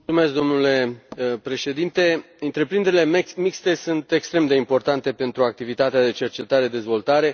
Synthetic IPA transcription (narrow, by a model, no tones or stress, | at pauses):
umesk̚d̪o̞mnule̞pɾe̞ʃe̞d̪int̪e̞ | ɨnt̪ɾe̞pɾind̪eɾile̞mikst̪e̞sunt̪e̞kst̪ɾe̞md̪e̞impo̞rt̪ant̪e̞pe̞nt̪ɾuak̚t̪ivit̪at̪ead̪e̞t͡ʃe̞rt͡ʃe̞t̪aɾe̞d̪e̞zvo̞lt̪aɾe̞